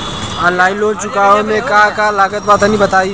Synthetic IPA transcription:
alaːɪloːt͡ʃʊkaːõmẽkaakalaːɡət̪̚baːt̪anĩbət̪aːi

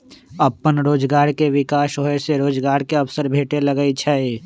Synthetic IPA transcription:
əpːənɾoːd͡ʒɡaːɾkeʋɪkaːʃɦoːeseɾoːd͡ʒɡaːɾkeɐfsəɾbʱeːʈeləɡəit͡ʃʰɛe

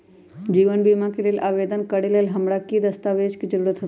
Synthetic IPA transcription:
d͡ʑiːʋənbiːmãkiɾelʔaːʋeːd̪ənkɐɽilelɦɐmɽakid̪ɐst̪aːʋeːd͡ʒkizəɾuːɾət̪ɦɐ

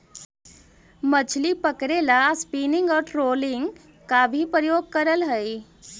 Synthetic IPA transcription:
mət͡ʃʰlipəkɾelaspinɪŋɡɔːɾʈɾoːlɪŋɡ | kabʱipɾəjoːɡ̚kəɾəlɦəi

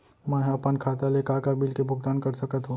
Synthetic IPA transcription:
mɛ̃ɦɐpənkʰaːt̪alekaːkabilkebʱʊɡ̚t̪aːnkɐɾsɐkət̪ɦõː

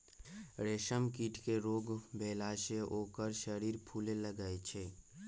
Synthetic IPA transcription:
ɾeːʃəmkiːʈkeɾoːɡbeːlaːʃeʔoːkəɾʃəɾiːɾpʰuːleləɡaːet͡ʃʰeː

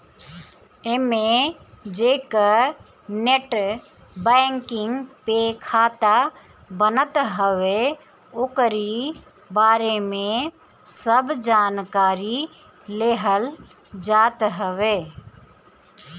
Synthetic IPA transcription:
emẽd͡ʒeːkə | neʈ | bɛŋkɪŋɡpekʰaːt̪a | bənət̪ɦəʋe | oːkəɾi | baːɾemẽ | səbd͡ʒaːnkaːɾi | leɦəl | d͡ʒaːt̪ɦəʋeː

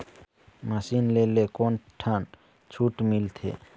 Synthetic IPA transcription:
məsinlelekonʈʰan | t͡ʃʰuʈmilt̪ʰḛ

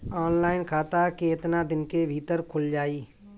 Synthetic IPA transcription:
ɔːnlaːɪnkʰaːt̪akeɪt̪nad̪ɪnkebʱiːt̪əɾkʰʊld͡ʒaːiː

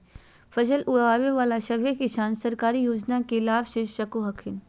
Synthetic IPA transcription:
fʰɐʃəlʔʊɽaːʋeʋaːlaʃɐbekɪʃaːnsɐɾkaːɾijoːd͡ʒnakelaːbʃɪʃʃɐkoɦɐkʰɪn

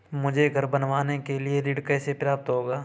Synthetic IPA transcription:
mʊd͡ʒʱeɡʱɐɾbɐnʋaːnekelieɾiːɽkɛːsepɾaːp̚t̪ɦoːɡaː

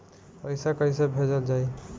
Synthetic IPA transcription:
pəjsakəjsebʱed͡ʒəld͡ʒaj

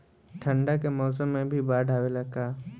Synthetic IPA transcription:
ʈʰə̃ɳɖakemɔːs̬əmːẽbʱibaːɖʱaːwelɐɡkaː

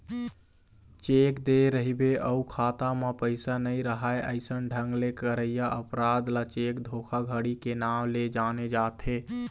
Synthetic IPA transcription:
t͡ʃekd̪eɾəɦibeʔəukʰat̪amepəɪsanəjɾəɦaeʔəɪsənɖʱəŋɡlekəɾəjaʔəpɾad̪lat͡ʃekd̪ʱokʰaɡʱəɽikenamled͡ʒaned͡ʒat̪ʰe

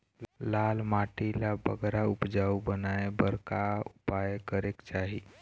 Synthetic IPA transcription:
lalmaʈilabə̰ɡɾaupd͡ʒaubənaebəɾkaupajekəɾekt͡ʃaɦi

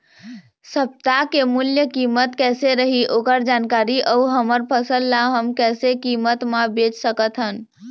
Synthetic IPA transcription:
səp̚t̪akemuljəkimət̪kɛseɾəɦiʔokəɾd͡ʒankaɾiʔəuɦəməɾpʰəsəlːaɦəmkɛsekimət̪mabet͡ʃsəkət̪ɦən

